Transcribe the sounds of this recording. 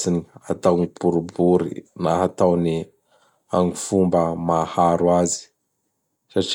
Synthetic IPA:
siniat̪awnibuɾubuɾḭnaɦat̪awni | aŋifumbəmahaɾuazi̥ | saʈ͡ʂ

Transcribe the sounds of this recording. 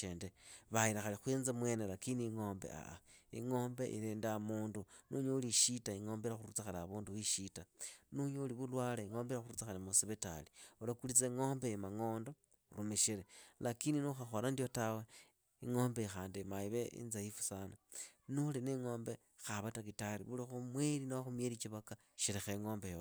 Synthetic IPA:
endeβaiɾaxalixweːnzamwe̞ːnelakiniŋo̞ːmbe̞̰a̰a̰ḭŋoːmbeʔḭɾeːndamuːndunuɲouliʃitaiŋo̞ːmbeɾaxuɾut͡saxalaaβuːnduwiʃitanuɲouliβulwaːleiŋo̞ːmbeɾaxuɾut͡saxalimusiβeta̰liulakulit͡seŋo̞ːmbemaŋo̞ːndo | ɾumeʃeɾelakininuxaxolandiotawe | iŋo̞ːmbexaːndimaiβeḭnzajifu̥sananulineŋo̞ːmbe | xaβatakitalḭβulixumwelinaxumjeɾit͡ʃiβaka | ʃiɾexeŋo̞ːmbejo

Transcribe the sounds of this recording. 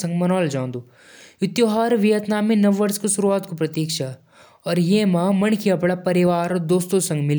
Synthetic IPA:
sɐ̃ŋɡmɐnɔːld͡ʒãːnd̪u | ʊt̪joːɦaːɾʋijət̪naːminɐʋːɐɾskesʊɾuaːt̪kopɾɐt̪iːkʃa | ɔːɾjemãːmɐnkʰiɐpɽapɐɾɪʋaːɾɔɾd̪oːst̪õsɐ̃ŋɡmɪl

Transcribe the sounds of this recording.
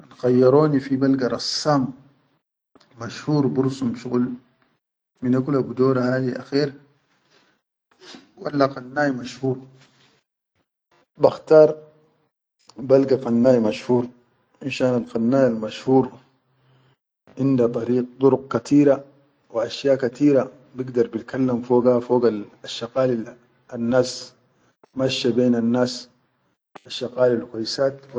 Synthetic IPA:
anxajːɑɾˤoːnifibalɡaɾˤɑsːaːm | maʃhuːɾˤbuɾsumʃuɣul | minakulabud̪oːɾahaːd̪iʔa̰xiːɾ | walːaqanːaːjmaʃhuːɾˤ | baxt̪ɑːɾˤ | balɡaqanːaːjmaʃhuːɾˤ | ʔinʃaːnalqanːaːjalmaʃhuːɾ | ʕɪnd̪at̪ˤɑɾiːq̚t̪ˤʊɾʊq̚kat̪iːɾa | wiʔaʃjaːkat̪iːɾa | biɡd̪ɑɾˤbit̪kʰalːamfoːɡafoːɡalaʃːɑqaːl | anːaːs | maʃːabeːnanːaːs | aʃːɑqaːlalkwajsaːt̪w

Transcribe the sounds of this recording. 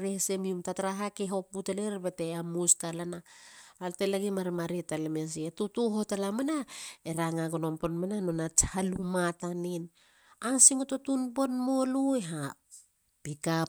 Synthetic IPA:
ɾesemiumtataɾaɦakeɦo̞puteleɾbeteamustalanaaltelaɡimaɾimaɾitalemes̬ietutuɦotalamanaeɾaŋaɡono̞mponmananonat͡ʃhalumatanin | ansiŋototunpo̞nmo̞lueɦap | pika

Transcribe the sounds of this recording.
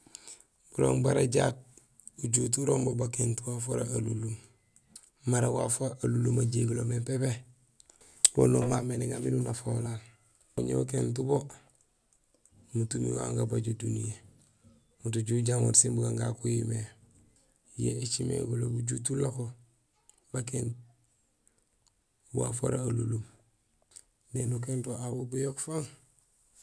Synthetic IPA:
b̥ulo̰ːŋbaɾaɟat̚ | uɟut̬uɾombobakentuwafoɾaalulum | maɾawafoʔalulumaɟeɡulomepepe | lo̰nomameniɡaminunafolal | uɲḛukent̬ubo | mutumḭwa̰ŋɡabaɟodunije | mutuɟuɟamoɾsimbuɡaŋɡa̰kuime | jḛit͡ʃimḛɡulo̰ɡuɟutulako | baken | wuwa̰fo̰ɾaalulum | nenukentoawubujokfaŋ

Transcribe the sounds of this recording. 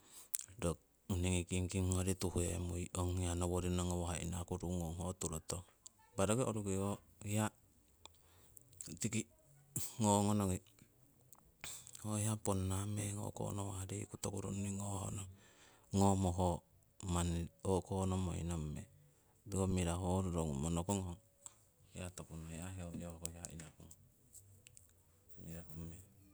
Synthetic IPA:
do | niŋikiŋkiŋŋoɾituhuḛmujoŋianoβoɾinoŋowoaḭnakuɾuŋoŋhotuɾoto | baɾoɡeoɾuɡeoja | tiki | ŋoŋonoŋi | hojaponːameŋo̰ko̰nowaadekut̪okuɾṵnːiŋoho̰noŋ | ŋomoɦo | manokonomo̰ḭnomːe | duomiɾaɦoɾuɾoŋumonokoŋo | jatokunojaɦeojohkoiaḭnakuŋ | miɾahome

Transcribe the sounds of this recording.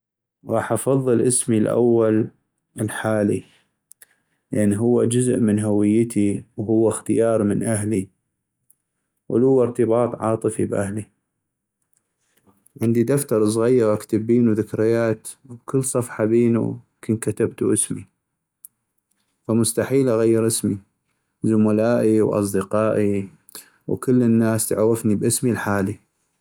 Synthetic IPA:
ɣɑːħʔɑfɑðˤːɨlʔɪsmilʔa̰wːal | əlħaːlḭ | lʔanːɦʊwːad͡ʒʊzʔmɪnɦawɪjːɪt̪ʰiwhʊwːaxt̪ɪjɑːɾˤmɪnʔaɦli | wʔɪ̰lhʊwːɪɾt̪ɨbɑːt̪ˤʕɑ̰ːt̪ˤɨfibʔahli | ʕɪnd̪id̪aft̪ɑɾˤs̬ˤɣajːɑɾʔakt̪abːiːnuðɪkɾɪjaːt̪wbkɪlːsˤɑfħɑbeːnṵ | kʰɪnkat̪abt̪uʔəsmi | famʊst̪aħiːlʔaɣajːɪɾʔɪsmi | zʊmalaːʔiwʔɑ̰sˤd̪ɪqɑːʔi | wkɪlːənːaːst̪aʕawɪfnibʔɪsmilħaːli

